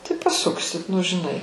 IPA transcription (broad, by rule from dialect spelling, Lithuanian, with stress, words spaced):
tɐɪ pɐˈsʊksʲɪt nʊ ʒʲɪˈnɐɪ